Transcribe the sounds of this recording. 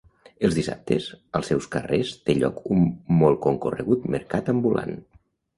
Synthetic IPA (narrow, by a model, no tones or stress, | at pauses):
əlˠzðisa̰p̚t̪ʰəzəlˠsɛwskərest̪eʎɔ̰kummɔlˠkoŋkurə̰ɣut̪məɾkat̪əmbulʔa̰n